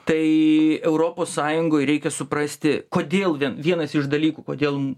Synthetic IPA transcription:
t̪ɐɪɛʊɾoːpoːssɑːjʊŋɡoːjɾʲɛɪkʲɛsʊpɾɐsʲt̪ʲɪkoːd̪ʲeːlˠʋʲiɛnʋʲiɛnɐsɪʃd̪ɐlʲiːkuːkoːd̪ʲeːlˠ

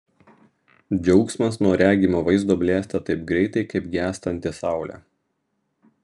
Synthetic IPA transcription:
d͡ʒʲɛʊksʲmɐsnuɔɾʲæːɡʲimoːʋɐɪzd̪oːbʲlʲeːsʲt̪ʲɛt̪ɐɪp̚ɡɾʲɛɪt̪ɐɪkɐɪpɡʲæːst̪ɐnʲt̪ʲɪsɑˑʊlʲæ̰ː

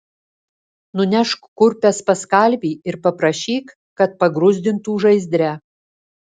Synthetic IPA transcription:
nʊnʲɛʃkkʊɾʲpʲɛspɐskɐlʲbʲiːɪɾpɐpɾɐʃʲiːk | kɐt̪̚pɐɡɾʊzʲd̪ʲɪnt̪uːʒɐɪzʲd̪ʲɾʲæ

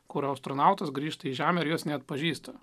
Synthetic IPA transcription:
kʊɾɐʊst̪ɾonɑˑʊt̪ɐsɡɾʲiːʃt̪ɐiːʒʲæːmʲɛɪɾjuɔsnʲɛɐt̪pɐʒʲiːst̪ɐ

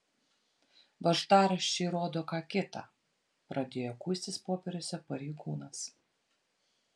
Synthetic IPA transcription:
ʋɐʒt̪ɑːɾɐʃʲt͡ʃʲɛːɾoːd̪oːkɑːkʲɪt̪ɑ̰ | pɾɐd̪ʲeːjoːkuːsʲt̪ʲɪspoːpʲɛɾʲʊsʲɛpɐɾʲɛɪɡuːnɐs

